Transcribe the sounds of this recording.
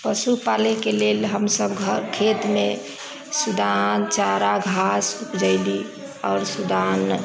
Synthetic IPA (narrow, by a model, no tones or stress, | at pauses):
pəsupalekelelɦəmsəbɡʱəkʰet̪me | sud̪ant͡ʃaɾaɡʱasukd͡ʒaɪli | ɔːɾsud̪an